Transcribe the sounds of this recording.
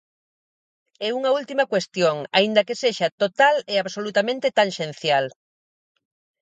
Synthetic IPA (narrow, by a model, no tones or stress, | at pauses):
ɛuŋɐult̪imɐkwest̪joŋa̰ind̪ɐkeseʃɐt̪ot̪aleaβsolut̪amẽnt̪et̪aŋʃen̟θjal